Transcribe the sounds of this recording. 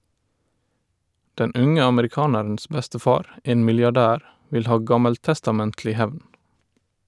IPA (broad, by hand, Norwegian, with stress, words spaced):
ˈdɛn ˈʔʉŋə ɑməɾɪˈkɑːnəɹn̩s ˈbɛstəˌfɑːɾ ˈʔeːn mɪljɑˈɖæːɾ ˈʋɪl ˈhɑː ˈɡɑməlˌtɛstɑˌmɛntlɪ ˈhæʋn